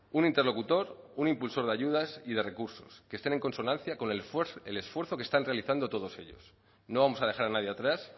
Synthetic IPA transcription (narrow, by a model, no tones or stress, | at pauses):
unint̪e̞ɾlo̞kut̪o̞ɾunimpulso̞ɾðeaʝuð̞asiðe̞re̞kuɾso̞̰ske̞st̪ene̞ŋko̞nso̞nãn̟θjako̞nele̞sfwe̞ɾθo̞kest̪anre̞aliθand̪o̞t̪o̞ð̞o̞se̞̰ʎo̞̰s | no̞β̞amo̞saðe̞xaɾanaðjeat̪ɾas